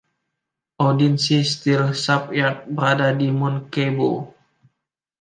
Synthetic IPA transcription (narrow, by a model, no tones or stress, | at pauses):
ʔodinsist̪ilsap̚jat̚bəɾadadimɔnkebo